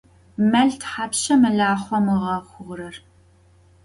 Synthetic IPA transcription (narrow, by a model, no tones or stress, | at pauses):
mɐɮtʰħaːpʃɐmɨɮaːχʷɔmɨʁɐχʷʊʁrɐr